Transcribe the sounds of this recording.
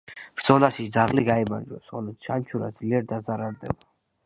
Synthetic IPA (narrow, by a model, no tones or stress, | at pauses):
b̥ɾd̪zɔlasisd̪zaʁliɡaimaɾd͡ʒwɛ̰sɔliʃant͡ʃʰuɾa̰d̪zliɛɾd̪azaɾaɾd̪ɛba